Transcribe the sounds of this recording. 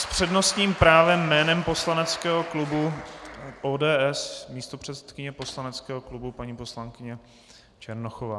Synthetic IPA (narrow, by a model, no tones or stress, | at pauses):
spr̝̥ɛdno̞st̪ɲiːmpɾaːvɛmːɛːnɛmpo̞slanɛt͡skɛːɦoklubu | ʔoːdɛːʔɛsmiːst̪opr̝̥ɛt̪sɛ̥t̪kɪɲɛpo̞slanɛt͡skɛːɦo̞klubupaɲiːpo̞slaŋkɪɲɛ | t͡ʃɛɾnoxovaː